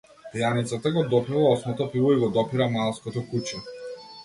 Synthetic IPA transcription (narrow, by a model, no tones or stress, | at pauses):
t̪ɛjanit̪sat̪aɡɔd̪ɔpivaɔsmɔt̪ɔpivɔiɡɔd̪ɔpiɾamalˠskɔt̪ɔkut͡ʃɛ